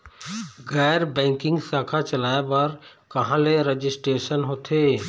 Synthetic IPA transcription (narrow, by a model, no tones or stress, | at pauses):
ɡɛːɾbɛ̃ːŋkɪ̃ŋɡsaːkʰat͡ʃɐlaːepɐɾ | kɐɦãleɾed͡ʒɪsʈɾeːʃənɦoːt̪ʰeː